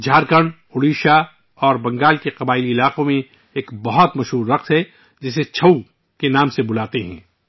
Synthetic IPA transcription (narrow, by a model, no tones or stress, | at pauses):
d͡ʒʱaːɾkəɽ̃ | ʊɽiːʃa | ɔːɾbɐ̃ŋɡaːlkeqɐbaːɪliɪlaːqõmẽ | eːkbɐɦɔt̪mɐʃɦuːɾːɐqt̪ɦɛ | d͡ʒɪset͡ʃʰɐu | kenaːmsebʊlaːt̪eɦɛ̰̃ː